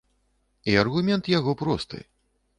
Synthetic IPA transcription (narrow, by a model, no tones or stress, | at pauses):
iɐrɣumʲɛnt̪jaɣɔpɾɔst̪ɨ̰